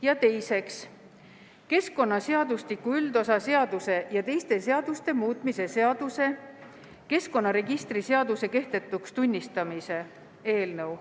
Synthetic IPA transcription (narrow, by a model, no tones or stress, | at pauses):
jɑt̪e̞jse̞ks | ke̞sko̞nːɑse̞ɑd̪ust̪ikːuyld̪o̞sɑse̞ɑd̪use̞jɑt̪e̞jst̪e̞se̞ɑd̪̥ust̪e̞muːt̪ˑmise̞seɑd̪̥use̞ | ke̞sko̞nːɑɾe̞ɡist̪rise̞ɑd̪use̞ke̞ht̪e̞t̪ːˑukst̪unʲːist̪ɑmise̞ | e̞ːlnɤw